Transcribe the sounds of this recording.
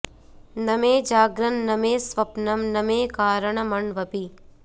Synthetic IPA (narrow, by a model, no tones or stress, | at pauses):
nɐmeːd͡ʒaːɡɾɐnːɐmeːsʋɐpnɐmnɐmeːkaːɾɐɳɐmɐɳʋɐpi